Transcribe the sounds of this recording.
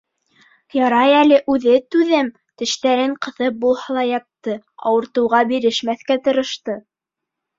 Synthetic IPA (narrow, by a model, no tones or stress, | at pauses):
jɑɾɑjælɘʔʉðɘt̪ʉðɘm | t̪ɘ̆ʃt̪æɾɘɴqɤ̆θɤp̚bulˠhɑlˠɑjɑt̪ːɤ | ɑ̰wɤ̆ɾt̪ɤ̆wʁɑbiɾɘ̆ʃmæθkæt̪ɤ̆ɾɤ̆ʃt̪ɤ